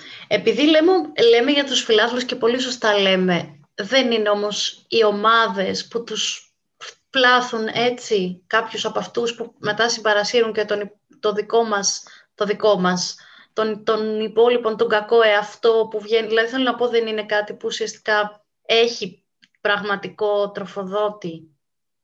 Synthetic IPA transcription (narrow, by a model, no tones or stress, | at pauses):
e̞piðile̞mele̞me̞ʝɐt̪usfilɐθlusce̞po̞lis̬o̞st̪ɐle̞me̞ | ðe̞nineo̞mo̞sio̞mɐðe̞sput̪us | plɐθune̞t͡sikɐpçusɐpɐft̪uspume̞t̪ɐsimbɐɾɐsiɾuɲcet̪on | t̪oðiko̞mɐs | t̪o̞ðiko̞mɐs | t̪ont̪o̞nipo̞lipo̞nt̪oŋɡɐko̞eɐft̪o̞puvʝe̞niðilɐðiθelonɐpo̞ðe̞nine̞kɐt̪ipuːsiɐst̪i̥kɐ | e̞çi | pɾɐɣmɐt̪iko̞t̪ɾo̞fo̞ðo̞t̪i